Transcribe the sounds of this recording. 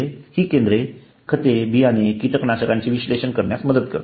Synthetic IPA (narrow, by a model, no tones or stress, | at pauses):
ehiːkend̪ɾe | kʰət̪ebiːaɽ̃ikiʈ̪əknaɕəkãɲt͡ɕiʋiɕleɕənkəɾɳjasməd̪ət̪kə̰ɾt̪